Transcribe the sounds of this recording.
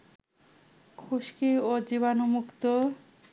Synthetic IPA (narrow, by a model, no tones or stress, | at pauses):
kʰuʃkiod͡ʑiβanomukt̪o